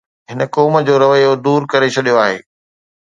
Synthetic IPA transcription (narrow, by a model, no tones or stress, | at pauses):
ɦɪnəkɔːməd͡ʑoːɾɐʋəjod̪uːɾkɐɾet͡ɕʰɐɗijoaːɦḛː